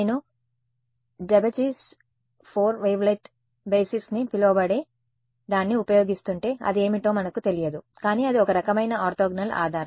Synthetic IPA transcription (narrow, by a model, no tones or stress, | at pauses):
nu | ɖebɐt͡ʃis | pʰoːɾʋejʋlɐjʈ | beːsisnipiloːbɐɽe̞ː | d̪aːnːiupɐjo̞ːɡist̪uɳʈe̞ːɐ̰d̪ie̞ːmiʈo̞ːmɐnɐkut̪e̞lijɐd̪u | kaːniːɐd̪iɔkɐɾɐkɐmɐjnɐaːɾt̪oːɡnɐla̰ːd̪ʱaːɾɐ